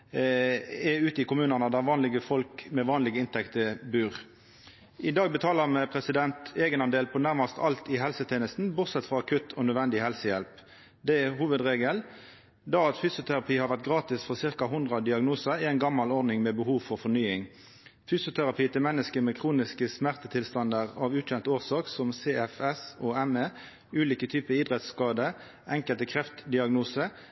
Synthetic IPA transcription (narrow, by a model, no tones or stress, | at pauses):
ɛʉːt̪əɪkʊmʉːnəʁnəd̪æʁʋɑːnlɪɡəfɔlkmɛʋɑːnlɪɡəɪnt̪ʰɛkt̪əbʉːʁ | ʔɪd̪ɑːɡ̚bət̪ʰɑːləmɛpʰʁɛsɪd̪ɛnt̪eːɡənɑnd̪eːlpʰɔnæʁmɑst̪ʰɑlt̪ɪɦɛlsət̪ʰeːnəst̪n̩bʊʁt̪sɛt̪ːfʁɔɑkʰʉt̪ʰɔnœd̪ʋɛnd̪ɪɦɛlsəjɛlp | d̪ɛɛɦuːʋəd̪ʁeːɡəl | d̪ɑːɑt̪fysʊt̪ʰæʁɑpʰiːhɑɾʋæʁt̪̚ɡʁɑːt̪ɪsfɔʁsɪʁkɑɦʊnd̪ʁɑd̪ɪɑɡnuːsəɾɪɛnɡɑmːɑlɔʁnɪŋmɛbəhuːʋfɔʁfɔʁnyːɪŋ | fyːsjʊt̪ʰæʁɑpʰiːt̪ʰɪlmɛnːəskəmɛkʰʁuːnɪskəsmæʁt̪ət̪ʰɪlst̪ɑnd̪əʁɑʋʉːc͡çɛnt̪əoːʁsɑːksɔmseːɛfɛsɔɛme | ʉːliːkət̪ʰyːpəid̪ʁɛt̪skɑːd̪ə | ʔɛŋkəlt̪əkʰʁɛft̪d̪ɪɑɡnuːsə